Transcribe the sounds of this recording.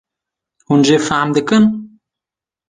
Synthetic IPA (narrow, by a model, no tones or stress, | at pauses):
hund͡ʒefamd̪əkən